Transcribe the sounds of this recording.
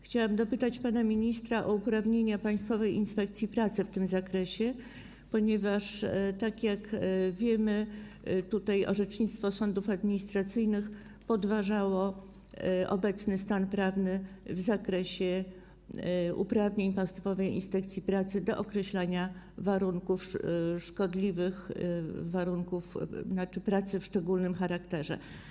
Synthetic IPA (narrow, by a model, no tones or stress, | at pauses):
xt͡ɕawamd̪ɔpɘt̪at͡ɕpanamʲiɲist̪ɾaʔɔupɾavɲeɲapaj̃st̪fɔvɛjʔinspɛk̚t̪sʲjipɾat̪sɘft̪ɘmzakɾɛɕɛ | pɔɲɛvaʂt̪akʲjakvʲjɛmɘ | t̪ut̪ajɔ̰ʐɛt͡ʂɲit̪st̪fɔsɔnd̪ufad̪mʲiɲist̪ɾat̪sɘjnɘx | pɔd̪vaʐawɔ | ʔɔ̰bɛt̪snɘst̪anpɾavnɘvzakɾɛɕɛ | ṵpɾavɲeɲpast̪fɔvɛjḭnspɛkt̪sʲjipɾat̪sɘd̪ɔʔɔkɾɛɕlaɲa | vaɾuŋkufʂkɔd̪lʲivɘxvaɾuŋkufnat͡ʂɘpɾat̪sɘfʂt͡ʂɛɡulnɘmxaɾakt̪ɛʐɛ̰